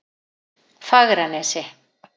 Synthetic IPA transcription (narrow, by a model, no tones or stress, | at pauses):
faɣɾanɛsɪ